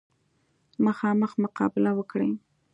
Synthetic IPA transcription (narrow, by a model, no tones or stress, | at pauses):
məxɑməxmʊqɑ̰bɪlawəkɽḛ